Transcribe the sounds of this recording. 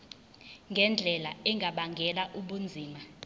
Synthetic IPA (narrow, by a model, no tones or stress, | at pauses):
ŋɡʱɛnd͡ɮʱɛlaɛŋʱaɓaŋɡʱɛlaʔuɓund͡zʱiːma